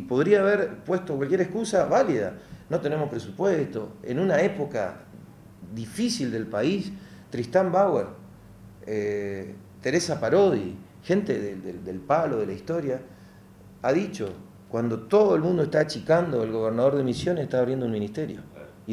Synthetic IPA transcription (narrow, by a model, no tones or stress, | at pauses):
po̞ðɾiaːβeɾpwe̞st̪okwalkʲjeɾehkusaβaliða̰no̞t̪e̞nemopɾe̞supwest̪o̞ḛnunaepo̞ka̰ | ðifisild̪e̞lpais | t̪ɾist̪ambaweɾ | e | t̪e̞ɾe̞sapaɾo̞ði | xe̞nt̪eðed̪ed̪elpaloðelaist̪o̞ɾja | aðit͡ʃo̞ | kwand̪o̞t̪o̞ðoelmũnd̪oest̪at͡ʃikand̪o̞elɣo̞β̞eɾnað̞o̞ɾðemisjo̞neseht̪aːβɾjend̪ounmĩnist̪eɾjo̰